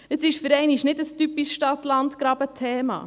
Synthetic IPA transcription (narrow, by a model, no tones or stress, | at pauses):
əsɪʃfəɾɛɪniʃnɪdəstypisʃtɑtlɑntkɾɑːbətʰɛːmɑ̰ː